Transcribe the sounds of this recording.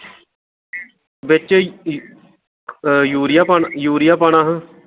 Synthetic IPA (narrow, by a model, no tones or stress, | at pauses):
bɪt͡ʃ | juːɾɪjaːpaːnjuːɾɪjaːpaːɳaːɦə̃